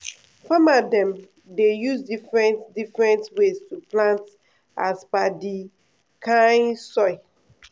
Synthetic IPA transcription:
famadɛ̃m | dejuzdifɹɛ̃ntdifɹɛ̃ntwestuplãnt | a̰sbadi | kʰãnsɔɪ

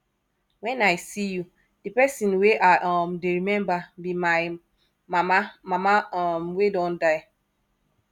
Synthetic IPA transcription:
wɛ̃naɪsiju | dipɛsĩnweʔaʔɔmdeɹimɛ̃mbabimaɪ | mamamamamwedɔ̃ndaɪ

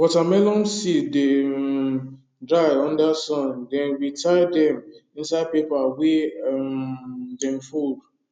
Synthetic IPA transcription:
wɔtamɛlɔ̃mside | dɾaɪɔ̃ndasɔ̃ndɛ̃nwitʰajdɛ̃mĩnsapepawe | dɛ̃mfud

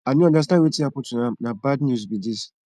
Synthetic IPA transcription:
aɲĩɔ̃das̬nãwetiapʊtʊnãmnãbadnus̬bidis

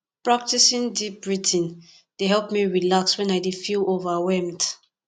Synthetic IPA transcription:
pɹak̚tisĩndip̚ɹitʰĩn | d̥eɦɛlˠpmiɹilakswɛ̃naɪdefilovawɛmd

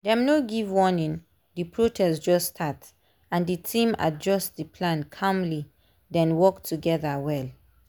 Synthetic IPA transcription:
dɛ̃mnoɡivwɔnĩn | dipʰɹotʰɛsd͡ʒɔstʰat | ãnditʰĩma̰d͡ʒɔstdipʰlãnkʰãmli | dɛ̃nwɔktʰuɡɛðawɛl

